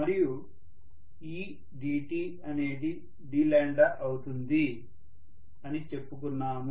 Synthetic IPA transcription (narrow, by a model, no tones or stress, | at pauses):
mɐɾiju | iː | ɖiːʈiː | ɐne̞ːd̪i | ɖiːlaːɳɖɐʔɐwut̪und̪i | ɐnit͡ʃe̞pːuk̬unːaːmu